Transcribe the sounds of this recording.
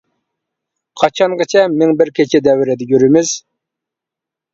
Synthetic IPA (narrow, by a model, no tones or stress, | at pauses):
qʰɑt͡ʃʰɑɴʁɨt͡ʃʰɛmɪŋbɪɾkʲet͡ʃʰɛd̪ɛwɪɾɛd̪ɛɡʲyɾɪmɪz̥